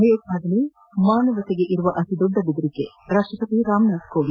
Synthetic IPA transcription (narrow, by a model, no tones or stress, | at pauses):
ɦeːkaːd̪ɐli | maːnɐʋɐt̪eɡe̞ʔiɾuʋɐʔɐt̪id̪ɔɖːɐbid̪ɾikːe | ɾaːkʂʈɾɐpɐt̪iɾaːmnaːt̪koːli